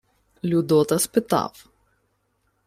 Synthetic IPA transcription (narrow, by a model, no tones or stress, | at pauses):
lʲud̪ɔt̪ɐspɪt̪ɑ̰w